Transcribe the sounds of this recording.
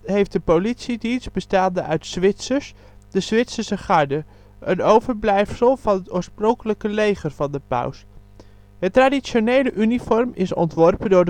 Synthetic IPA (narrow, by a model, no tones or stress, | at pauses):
ɦejft̚dəpolitsidins̚bəstaːndəʔœɥtsʋɪtsəɹs | d̥əzʋɪtsəsəχɑɹdə | ʔənowvəɹblɛjfsəlˠvɑnətʊːɹsprɔŋkələkəlejχərvɑndəpœ̰ws | ɦətradisonejləʔynifɔrmɪsɔ̰ntʋɔrpəndʊːɹd